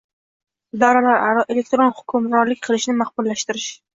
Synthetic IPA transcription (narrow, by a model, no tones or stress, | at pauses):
ɪd̪ɒɾalaɾaɾɒʔe̞le̞k̚ʲt̪ɾonhʊ̥kʲʰʊmɾɒɾlɪkʲqʰɨlˠɪʃnɪmahbʊllaʃt̪ɪɾɪʃ